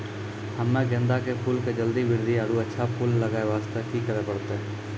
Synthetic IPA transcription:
həmːãɡẽnd̪akepʰuːlked͡ʒəld̪iʋɪɾd̪ʱiaːɾuətːʃʰapʰuːlːəɡaːeʋaːst̪əkikəɾepəɽt̪eɛ

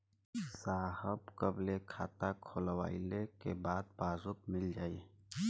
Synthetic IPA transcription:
saːhəbkəblekʰaːt̪akʰoːlwa̰ːɪlekebaːd̪̚baːzʊk̚mɪld͡ʒaːie

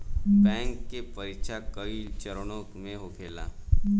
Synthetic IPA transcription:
bɛ̃ŋkːepəɾikɕʰakəit͡ɕəɾɳ̃okmeɦokʰela̰

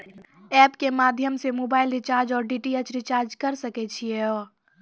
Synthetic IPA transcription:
ɛːpkemaːd̪ʱjəmsemoːbaːɪlɾɪt͡ʃaːɾd͡ʒɔːɾɖiːʈiet͡ʃɾɪt͡ʃaːɾd͡ʒkɐɾsəket͡ʃʰieɔː

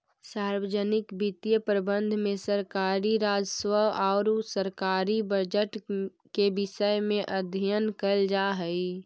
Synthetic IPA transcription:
saːɾwəd͡ʒənɪkbit̪ijəpɾəbə̃nd̪ʱmẽsəɾkaːɾiɾaːd͡ʒswəɔːɾsəɾkaːɾibəd͡ʒəʈ | kebɪʃəjmẽʔəd̪ʱijənkəld͡ʒaɦəi

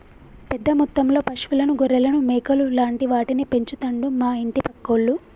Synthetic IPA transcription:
pɛd̪ːɐmut̪ːɐmlo̞ːpɐʂʋulɐnuɡoɾɛlɐnumɛːkɐlulaːɳʈiʋaːʈinipe̞ɲt͡ʃut̪ɐɳɖumaːiɳʈipɐkːoɭːu

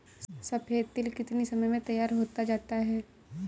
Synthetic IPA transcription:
sɐpʰeːt̪ɪlkɪt̪nisɐməjmẽt̪ɐjːaːɾɦoːt̪ad͡ʒaːt̪aɦɛː

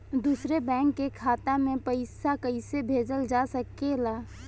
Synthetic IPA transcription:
d̪usɾebɛ̃ːŋkːekʰaːt̪amẽpəɪsakəɪsebʱeːd͡ʒəld͡ʒasəkːelaː

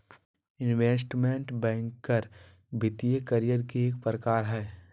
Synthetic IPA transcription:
ɪnʋeːsʈmẽɳʈbɛ̃ːŋkːəɾ | bʱɪt̪ijekɐɾijəɾkieːk̚pɾəkaːɾɦɛː

